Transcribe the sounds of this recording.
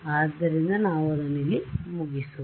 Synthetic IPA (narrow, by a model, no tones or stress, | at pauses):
aːd̪ːɐɾind̪ɐnaːʋɐlɐnilːimuɡisu